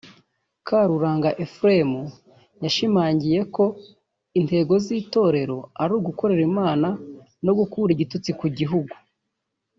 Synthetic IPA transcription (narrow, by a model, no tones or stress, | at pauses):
kʰaɾuɾaːŋɡaʔefɾemu | jaʃimaːɲɟije̞ko̞ | inte̞ɡo̞ziːto̞ːɾe̞ɾo̞aɾuːɡuko̞ɾe̞ɾimaːna | no̞ɡukuːɾiɟitut͡sikuɟiɦuɡu